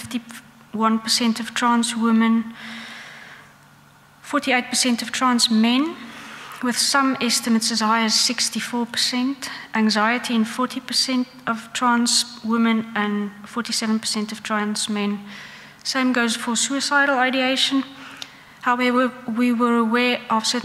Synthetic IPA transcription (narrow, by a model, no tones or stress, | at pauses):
ɪfti | wʌ̃npʰəsɛ̃ntʌv̥tʰɹ̥ãnswɪmə̃n | fɔɹtieɪt̚pʰəsɛ̃ntʌv̥tʰɹ̥ãnsmɛ̃n | wɪð̥sʌ̃mɛstəmətsəz̥haɪəz̥sɪkstifɔːpʰə̥sɛ̃ntʔæ̃ŋzaɪətʰiə̃nfɔɹtipəsɛ̃nt | əv̥tʰɹ̥ãnswɪmə̃nə̃nfɔɹtisɛvə̃npʰə̥sɛ̃ntʌv̥tʰɹ̥ãnsmɛ̃n | sẽɪ̃mɡoʊz̥fəsuɪsaɪɾl̩ˠaɾieɪʃə̃n | haʊɛvəwiwəɹəwɛɹʔəv̥sɜt